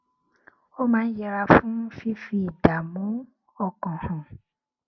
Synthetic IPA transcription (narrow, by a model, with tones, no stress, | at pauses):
o˦mãː˨˦n̩˦jɛ˧ɾa˧fũ˦fi˦fi˧˦˨da˨mũ˨˦ | ɔ˦˨kɔ̃˨hɔ̃˨